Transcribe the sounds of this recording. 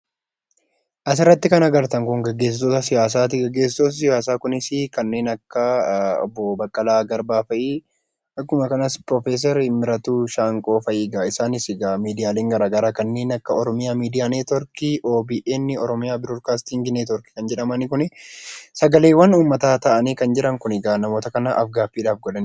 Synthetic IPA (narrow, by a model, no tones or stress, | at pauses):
ʔɐs̬ɪrːɐt̪ːɪkɐnɐɡɐɾt̪ɐŋkʊŋɡɛɡːe̞ːs̬ɪt̪oːt̪ɐsɪjaːs̬aːt̪ɪɡɛɡːe̞ːs̬ɪt̪oːs̬sɪjaːs̬aːkʊnɪsɪkɐnːe̞ːnɐkːɐɔ̰bːɔbɐkʼːɐlaːɡɐɾbaːfɐʔiː | ɐkːʊmɐkɐnɐspɾɔfeːs̬ɐɾmɪɾɐt̪uːʃaːŋkʼo̞ːfɐjiːɡaɪsaːnɪsɪɡamiːd̪ɪjaːle̞ːŋɡɐɾaːɡɐɾaːkɐnːe̞ːnɐkːɐɔɾɔmɪjaːmiːd̪ɪjaːneːt̪ɔɾkɪʔo̞ːbiʔeːnːɪɔɾɔmɪjaːbɪɾoɾkaːst̪ɪŋɡɪneːt̪ɔɾkɪ̥kɐnd͡ʒɛᶑɐmɐnɪkʊnɪsɐɡɐle̞ːwːɐnuːmːɐt̪aːt̪ɐʔɐniːkɐnd͡ʒɪɾɐŋkʊnɪɡaːnɐmo̞ːt̪ɐkɐnɐʔɐfɡaːfːiːᶑaːfɡɔlɐnɪ